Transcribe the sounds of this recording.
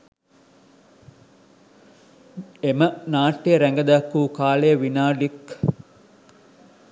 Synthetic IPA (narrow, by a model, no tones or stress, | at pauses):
emənaːʈːeɾæŋɡɐd̪akːuːkaːlejəʋinaːlik